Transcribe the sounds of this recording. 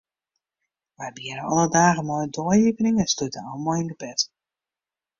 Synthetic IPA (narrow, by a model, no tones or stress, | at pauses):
ʋɛjbiəɾəɔ̰lˠədaːɣəmɔjədoəivənɪŋəstutəɔlˠmɔjɪndəbɛt